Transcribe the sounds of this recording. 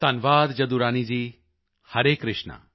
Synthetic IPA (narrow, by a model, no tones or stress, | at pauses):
t̪ɐnʋaːd̪d͡ʒɐd̪uɾaːnid͡ʒi | hɐɾeːkɾɪʃnə̰